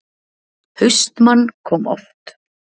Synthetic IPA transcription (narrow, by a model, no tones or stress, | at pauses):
hʏɥst̪manːkʰɔːmɔ̰ft̪